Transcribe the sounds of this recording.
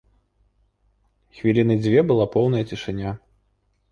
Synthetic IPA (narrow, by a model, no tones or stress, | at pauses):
xvʲilʲinɨd͡zʲvʲɛbɨlˠapɔwnɐjɐt͡sʲiʂɨnʲa